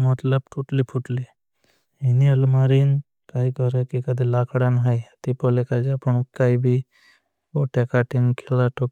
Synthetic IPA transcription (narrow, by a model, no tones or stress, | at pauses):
mɐt̪ləb̚ʈʰuʈlipʰuʈli | ɦiniɐlmaɾin | kaikɔɾekikɐd̪ʱilakʰɽanɦajɐt̪ipolekad͡ʒapəɳkaibʱi | boʈekaʈinkʰelaʈok